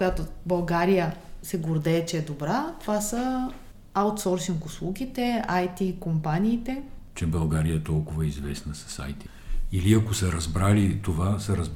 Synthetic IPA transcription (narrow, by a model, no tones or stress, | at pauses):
kʊjat̪obɐlˠɡaɾijəsɛɡʊɾd̪ɛːt͡ʃɛːd̪obɾat̪ovasə | awt̪sɔɾsiŋkʊslˠuɡʲit̪ɛajt̪ikompaniːt̪ɛt͡ʃɛbɐlˠɡaɾijəɛt̪ɔlˠkʊvəɛizvɛsnəsɐ̥sa̰jt̪i | iliɐkosɐɾɐzbɾalit̪ovasɐɾɐz